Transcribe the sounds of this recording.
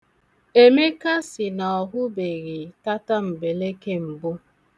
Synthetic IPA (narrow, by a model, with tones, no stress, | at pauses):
e˦me˦ka˦sɪ˨nɔ˨ɦʊ˦be˨ɣi˨ta˦ta˦m̩˨be˨le˦ke˦m̩˨bʊ˦